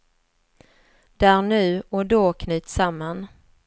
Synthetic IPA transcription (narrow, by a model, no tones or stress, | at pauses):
d̪̥æːɾɳʉ̟ːɔd̪oːkʰnʉ̟ːt̪samːan